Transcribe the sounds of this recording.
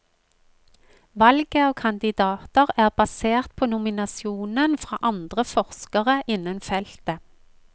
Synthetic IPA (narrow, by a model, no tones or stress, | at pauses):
ʋɑlɡəoːkʰɑnd̪ɪd̪ɑːt̪əʁæːʁbɑseːʁt̪̚pʰoːnʊmɪnɑsɪuːnənfʁɑ̰ːʔɑnd̪ʁəfɔʁskəʁəʔɪnənfɛlt̪ə